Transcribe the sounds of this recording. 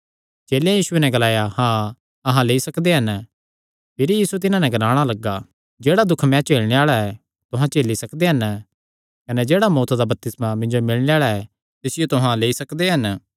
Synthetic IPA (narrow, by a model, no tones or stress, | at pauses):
t͡ʃeːlejãjiːʃʊwenɛɡɐlaːjahãː | ɐɦãleːisɐkd̪eɦɐn | pʰɪɾjiːsuet̪ɪnãnɛɡɐnaːɽ̃alɐɡːa | d͡ʒeːɽad̪ʊkʰmɛ̃ːt͡ʃeːɭɽ̃eaːɭaɛ | t̪ʊɦãt͡ʃeːlisɐkd̪eɦɐn | kɐnɛd͡ʒeːɽamɔːt̪ʰd̪abɐp̚t̪ɪsmãmɪ̃ɲd͡ʒomɪlɽ̃eaːɭaɛ | t̪ɪsɪjot̪ʊɦãleːisɐkd̪eɦɐn